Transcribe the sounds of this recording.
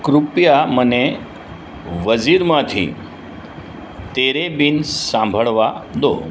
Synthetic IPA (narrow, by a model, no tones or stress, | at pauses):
kɾupjaməne | ʋəd͡ziːɾmat̪ʰḭ | t̪eɾebiːnsãmbʱəɭʋad̪o̰